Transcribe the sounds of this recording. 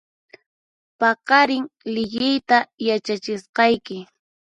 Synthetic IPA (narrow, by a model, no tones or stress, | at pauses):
pɑqɑɾɪŋlɪʎɪjt̪ajat͡ʃat͡ʃɪsqɑjkɪ